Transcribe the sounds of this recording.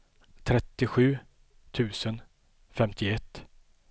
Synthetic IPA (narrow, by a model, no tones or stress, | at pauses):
t̪ʰɾɛt̪ːɪɧʉ̟ː | t̪ʰʉ̟ːsən | fɛmt̪ʰɪɛt̪ː